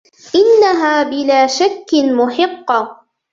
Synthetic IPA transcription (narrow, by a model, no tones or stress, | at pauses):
ʔɪnːaɦaːbɪlaːʃakːmʊħɪqːɑ